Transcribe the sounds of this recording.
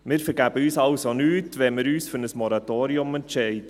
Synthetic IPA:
mɪːɾfəɾɡæb̥əyːsɑʊsonyːtʋɛnmɪɾyːsfʏɾnəsmɔɾɑt̪oːɾiʊmɛntʃɛɪdə

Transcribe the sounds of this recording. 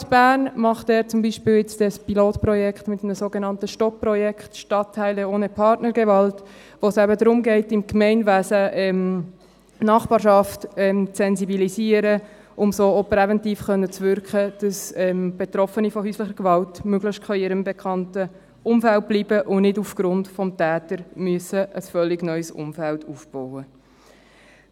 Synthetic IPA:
sb̥æːnmɑχtɛːɾt͡sʊmbiːʃpɪːlɪt͡sd̥ɛspiloːtprɔjɛkχtmɪtmənəsoːɡenɑntəʃtɔppɾɔjɛkχtʃtɑtʰːæɪləoːnəpʰɑrtnəɾɡɛvɑlt | ʋosɛbədɾʊmɡɛɪtɪmkmɛɪnvæːsəɛm | nɑχb̥ɑːɾʃɑftɛmt͡sɛnzibilisiːəɾə | ʔʊmsoːopɾɛvɛntiːfχœnːət͡svʏɾkχəd̥ɑsɛmb̥et̪ɾɔfənifɔhyːslɪχəɾɡvɑltmøɡ̥lɪʃtkʰɑɪɾəmbekʰɑntə | ʊmfælt̚b̥liːbəʔʊnɪdufɡ̥ɾʊntfɔmtæːtəɾmyəsəʔəsfœlːɪɡnœʏsʊ̰mfæltuːfb̥ɔwə

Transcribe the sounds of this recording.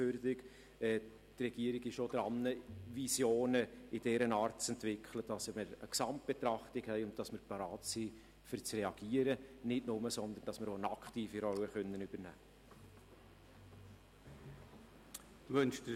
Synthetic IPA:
øɾdɪk | ɛː | t̪rɛɡ̥iəɾɪɡɪʃod̥ɾɑnːəvisjoːnəɪd̥ɛɾənɑːɾtt͡sɛntvɪkʰχləd̥ɑsməɾəksɑmt̚b̥et̪ɾɑχtɪkhɛɪʊnttɑsməɾpɑɾɑːtsiː | fʏɾt͡srɛɑɡ̥iːəɾənɪtnʊməsɔnd̪ənd̥ɑsməɾoənɑkχtiːfiɾɔwəχœnːənʏb̥ənæː | ʋɵnʃdə

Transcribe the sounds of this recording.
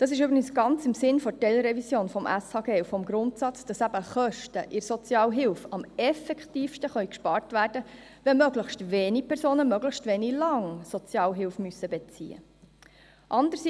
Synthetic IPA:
d̥ɑːsɪʃ̬ʏbɾɪɡənsɡ̥ɑnt͡sɪmsɪnfɔtɛlɾɛvisjoːnfɔmʔæshɑɡɛwfɔmɡɾʊntsɑt͡sd̥ɑsæbəχœʃtəʔɪɾsɔt͡sjɑːlɦɪlfɑmɛfɛkχtiːfʃtəχœʏɥkʃpɑːɾtʋæːrdə | ʋɛmœɡləχʃtʋeːnipʰɛɾsoːnəmœɡləχʃtʋeːnilɑŋsɔt͡sjɑːlɦɪlfmysːəbɛt͡sḭə̰ | ʔɑnd̪əɾsi

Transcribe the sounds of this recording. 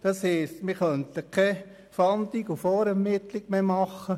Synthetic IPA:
d̪̥ɑsheːstmɪχœnt̪əkʰɛ | fɑnd̪iɡufɔːɾɛmɪt̪lɪɡ̥memɑχə

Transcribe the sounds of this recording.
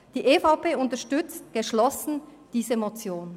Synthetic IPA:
d̥iːʔeːfaʊpeːʊntɐʃtʏt͡stɡ̥əʃlɔsn̩d̥iːzəmot͡sjoːn

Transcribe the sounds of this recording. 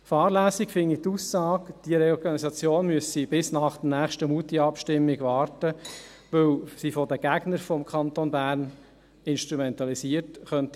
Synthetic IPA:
fɑːɾlæːsikfɪnːit̪usːɑːkd̥iəɾeɔɾɡɑnisɑt͡sjoːnmyəsib̥ɪsnɑːχd̪ənæːχʃtəmutiɑpʃtɪmːiɡʋɑːɾtə | ʋɵwsifɔdəɡ̥æɡnəɾfɔmkʰχɑnt̪onbæːɾn | ɪnʃt̪ɾumɛnt̪ɑlisiərtχœnti

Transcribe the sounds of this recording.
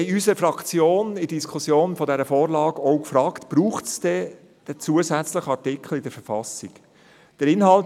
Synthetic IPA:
ɪysəɾfɾɑkt͡sjoːnidiskʰusjoːnfɔdɛɾəfɔːɾlɑːɡɔʊkfɾɑːktb̥ɾuːχtsd̥ɛ | d̥ət͡suːəzæt͡sləχɑɹtɪkʰl̩ɪd̥əɾfəɾfɑsɪk | d̥əɾɪnɦɑlt

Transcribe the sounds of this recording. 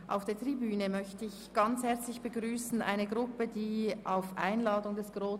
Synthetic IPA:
ʔa̰ʊfd̥eːɐtʁ̥ibyːnəmœçtəɪçɡ̥ɑnt͡shɛɐt͡slɪçb̥əɡʁyːsn̩ʔa̰ɪnəɡʁʊpədiːʔaʊfʔa̰ɪnlɑːdʊŋdɛsɡ̥ʁoː

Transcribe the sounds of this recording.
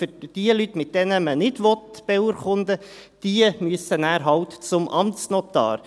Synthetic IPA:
fʏd̥iəlyt̪mɪt̚d̥ɛnəmənɪdʋɔt̪b̥ɛuɾχʊnd̪əd̥iəmyəsənæːɾɦɑwt̪t͡sʊmʔɑmst͡snɔt̪ɑ̰ːɾ

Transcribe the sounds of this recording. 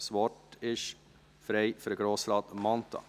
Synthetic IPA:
sʋɔtɪʃ | fɾeɪføɾəɡɾoːslɑːt̪mɑnt̪ʰɑ̰

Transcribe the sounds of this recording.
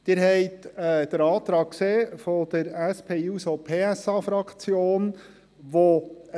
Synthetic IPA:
d̪̥ɪːɾɦɛɪt̪ɛːd̥̪əɾɑːt̪ɾɑːk̚kseːfod̥̪əɾæspʰeːusopʰeːæsɑːfɾɑkt͡sjoːn | ʋo

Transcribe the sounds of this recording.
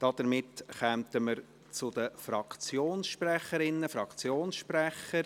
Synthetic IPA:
d̥ɑd̥̪əɾmɪtχɛmtəməɾ | t͡sʊd̥̪əfɾɑkt͡sjoːnsʃprɛχəɾɪnːəfɾɑkt͡sjoːnsʃprɛχəɾ

